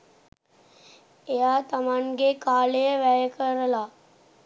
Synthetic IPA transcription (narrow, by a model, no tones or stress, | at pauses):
ejaːt̪amaŋɡekaːləjəʋæjəkəɾəla